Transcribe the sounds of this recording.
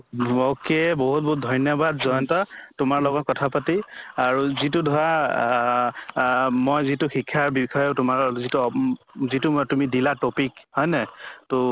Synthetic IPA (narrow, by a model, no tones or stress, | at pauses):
ɔkɛboɦut̚bɔɦut̚dʱɔjnjɔbadzɔjntɔtʊmaɹlɔɡɔt̚kɔtʰapatiaɹuzitʊdʱɔɹa | mojzitʊxikʰːaɹbikʰɔjʊtʊmaɹzitu | zitʊmtumidilatopikhɔjnɛtʊ